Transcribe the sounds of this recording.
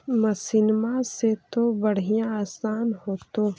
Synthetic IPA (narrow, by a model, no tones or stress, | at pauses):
məsɪnmaset̪obəɽ̤ɪjãaːsaːnɦoːt̪o